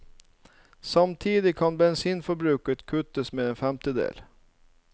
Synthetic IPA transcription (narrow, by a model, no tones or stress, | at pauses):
sɑmt̪ʰiːd̪ɪkʰɑnbɛnsiːnfɔɾbɾʉːkət̪kʰʉt̪əsmeːɛnfɛmt̪əd̪ḛːl